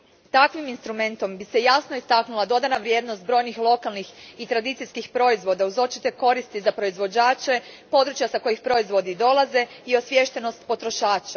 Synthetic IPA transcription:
t̪akʋiminst̪ɾume̞nt̪o̞mbise̞jasno̞ist̪aknulˠad̪o̞d̪anaʋɾje̞ːd̪nost̪̚bɾo̞jnixlˠo̞kalˠnixit̪ɾad̪it̪sijskixpɾo̞izʋo̞d̪auzo̞t͡ʃit̪e̞ko̞ɾist̪izapɾo̞izʋo̞d͡ʑaːt͡ʃe̞po̞d̪ɾut͡ʃjasako̞jixpɾo̞izʋo̞d̪id̪o̞lˠaze̞ | io̞sʋʲje̞ʃt̪e̞no̞st̪po̞t̪ɾo̞ʃaːt͡ʃa

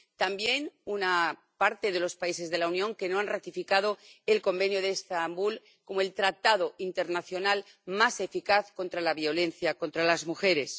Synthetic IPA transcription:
t̪ambje̞nuna | paɾt̪e̞ðe̞lo̞spaise̞zðe̞launjõ̞ŋke̞no̞anrat̪ifikaðo̞e̞lko̞mbe̞njoðeːst̪ambul | ko̞moe̞lt̪ɾat̪að̞o̞ʔint̪e̞ɾnaθjo̞nal | mase̞fikaθko̞nt̪ɾalaβio̞le̞nθjako̞nt̪ɾalazmuxe̞ɾe̞s

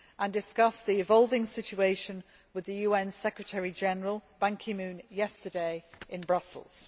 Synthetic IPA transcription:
ʔə̃ndɪskʌsðiɪvɒʊlˠvɪ̃ŋsɪt͡ʃueɪʃə̃n | wɪðəjʉːɛ̃nsɛkɹətʰəɹid͡ʒɛnəɹəlˠb̥ãŋkʰɪmʉ̃ːnjɛstədeɪʔɪ̃nbɹʌsə̰lˠz̥

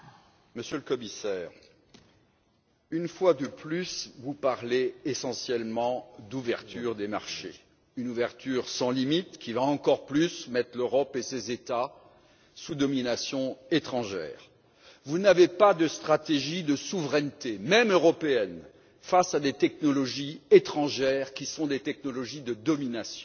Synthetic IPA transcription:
məsjøləkɔmisɛːʁ | ynfwad̪əplysvupaʁleːsɑ̃sjɛlmɑ̃d̪uvɛʁt̪yʁd̪emaʁʃḛ | ynuvɛʁt̪ʰyʁsɑ̃limit̪kʲivaɑ̃kɔʁplysmɛt̪χløʁɔpesezet̪a | sud̪ɔminasjɔ̃et̪χɑ̃ʒɛ̰ːʁ | vunavepad̪əst̪χat̪eʒid̪əsuvʁɛnt̪emɛmøʁɔpeɛn | fasad̪et̪ɛknɔlɔʒiet̪χɑ̃ʒɛːʁkʲisɔ̃d̪et̪ɛk̚nɔlɔʒid̪əd̪ɔminasjɔ̃

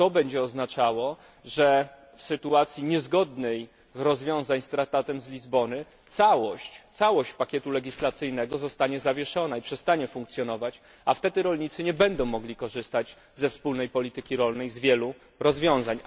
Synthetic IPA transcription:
t̪ɔbɛɲd͡ʑɛɔznat͡ʂawɔ | ʐɛ | fsɘt̪uat̪sʲjiɲɛzɡɔd̪nɛj | ɾɔzvʲjɔ̃w̃zaɲst̪ɾak̚t̪at̪ɛmzlʲizbɔnɘ | t̪sawɔɕt͡ɕt̪sawɔɕt͡ɕpakʲɛt̪ulɛɡʲislat̪sɘjnɛɡɔzɔst̪aɲɛzavʲjɛʂɔnaipʂɛst̪aɲɛfũŋkt̪sʲjɔnɔvat͡ɕ | aft̪ɛd̪ɘɾɔlɲit̪sɘɲɛbɛnd̪ɔ̃w̃mːɔɡlʲikɔʐɘst̪ad͡ʑ | zɛfspulnɛjpɔlʲit̪ɘkʲiɾɔlnɛjzvʲjɛlu | ɾɔzvʲjɔ̃w̃zaɲ

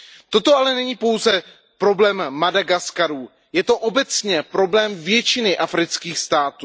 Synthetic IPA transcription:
t̪o̞t̪oʔalɛnɛɲiːpo̞wzɛ | pɾo̞blɛːmːadaɡaskaɾuː | jɛt̪o̞ʔo̞bɛt͡sɲɛpɾo̞blɛːmvjɛt͡ʃɪnɪʔafɾɪt͡skiːxst̪aːt̪uː

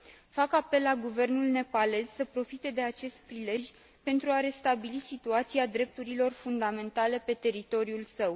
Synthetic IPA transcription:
fakape̞lːaɡuve̞rnulne̞pale̞zsəpɾo̞fit̪e̞d̪e̞at͡ʃe̞st̪̚pɾile̞ʒʲ | pe̞nt̪ɾuaɾe̞st̪abilisit̪uat̪siad̪ɾe̞p̚t̪uɾilo̞rfund̪ame̞nt̪ale̞pe̞t̪e̞ɾit̪o̞ɾiulsəw

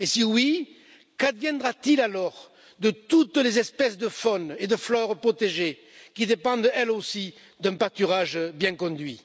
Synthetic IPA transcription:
esiwi | kad̪vjɛ̃nd̪ʁat̪ilalɔʁ | d̪ət̪ut̪lezɛspɛsd̪əfɔned̪əflœʁpχɔt̪eʒe | kʲid̪epɑ̃d̪ɛlosi | d̪ɛ̃pat̪yʁaʒbjɛ̃ŋkɔ̃d̪ɥi

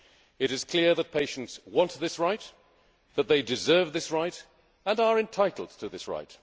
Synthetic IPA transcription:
ɨɾɨz̥kʰl̥ɪɹðɨt̚pʰeɪʃn̩tswɑ̃nt̪ðɪsɹaɪt̪̚ | ðɨt̪̚ðeɪdɨzɜ˞vðɪsɹaɪɾ | ə̃nə˞ɨ̃ntʰaɪɾˡl̩ˠd̚tʰɨðɪsɹa̰ɪt̚

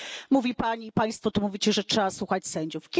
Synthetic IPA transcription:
muvʲipaɲiːpaj̃st̪fɔt̪umuvʲit͡ɕɛʐɛtʂɛbaswuxat͡ɕsɛɲd͡ʑufkʲ

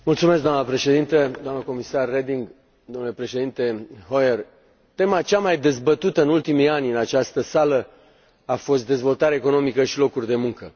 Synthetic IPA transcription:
mult̪sume̞sk̚ɡd̪oamnəpɾe̞ʃe̞d̪int̪əd̪oamnəko̞misarːed̪iŋɡ | d̪omnulepɾe̞ʃe̞d̪int̪e̞ɦojer | t̪e̞mat͡ʃamajd̪e̞zbət̪ut̪əɨnult̪imianʲɨnat͡ʃast̪əsalə | afo̞st̪̚d̪e̞zvo̞lt̪aɾeko̞no̞mikəʃilo̞kurʲd̪e̞muŋkə

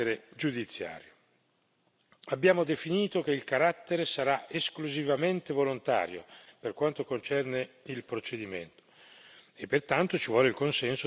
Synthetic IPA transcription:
ɾed͡ʒud̪it̪sːja̰ːɾjo | abːjaːmod̪efiniːt̪okeilkaɾat̪ːeɾesaɾaʔeskluzivament̪evolont̪a̰ːɾjo̰perkwant̪okont͡ʃɛrneilpɾot͡ʃed̪imḛnt̪o̥ | epːert̪ant̪ot͡ʃivwɔːleilkonsɛnso

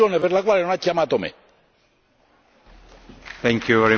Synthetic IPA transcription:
oneβeɾlakwalenonat͡ʃiamat̪omḛ | t̪ʰɛ̃ŋkʰjuvɛɹi

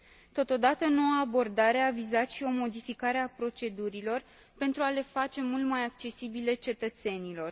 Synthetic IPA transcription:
t̪o̞t̪o̞d̪at̪əno̞waːbo̞rd̪aɾe̞avizat̪ʃio̞mo̞d̪ifikaɾe̞apɾo̞t͡ʃe̞d̪uɾilo̞r | pe̞nt̪ɾuale̞fat͡ʃe̞mult̪majak̚t͡ʃe̞sibile̞t͡ʃe̞t̪ət̪se̞nilo̞r

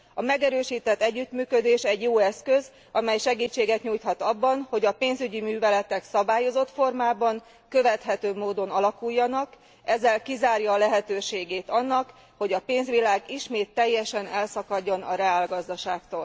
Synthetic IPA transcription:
ɒmɛɡɛɾøːʃiːt̪ɛt̪ːɛɟːyt̪myːkød̪eːʃɛɟjoːɛskø̞z | ɒmɛjʃɛɡiːt͡ʃːeːɡɛt̪ɲuːjt̪hɒt̪ɒbːɒnho̞ɟɒpeːnzyɟimyːvɛlɛt̪ɛksɒbaːjo̞zo̞t̪fo̞rmaːbɒŋ | køvɛt̪ɦɛt̪øːmoːd̪o̞nɒlɒkujːɒnɒk | ɛzːɛlkizaːrjɒːlɛɦɛt̪øːʃeːɡeːt̪ɒnːɒk | ho̞ɟɒpeːnzʋilaːɡiʃmeːt̪ːɛjːɛʃɛnɛlsɒkɒɟːo̞nɒɾɛaːlɡɒzd̪ɒʃaːkt̪oːl

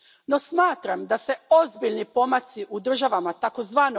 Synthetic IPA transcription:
no̞smaːt̪ɾamd̪ase̞o̞zbiʎnipo̞mat̪siʔud̪r̩ʒaʋamat̪ako̞zʋaːno

